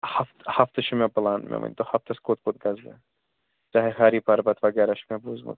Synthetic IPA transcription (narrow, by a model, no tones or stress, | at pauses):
hɐft̪hɐft̪ɨʃumebɐlaːnmɛ̰mɐ̰nʲt̪ohɐft̪ɐskot̪̚kot̪̚ɡɐzbḛ | t͡ʃaːɦexaːɾipɐɾbɐt̪ʰʋɐɡɛːɾaʃmebuːzmṵt̪